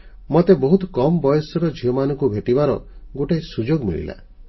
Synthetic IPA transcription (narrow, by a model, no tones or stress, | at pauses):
mot̪ebɔɦut̪ɔkɔmɔbɔjɔsɔɾɔd͡ʒʱiɔmanɔ̃ŋkubʱeʈibaɾɔ̰ɡoʈajsud͡ʒoɡmḭɭḭla̰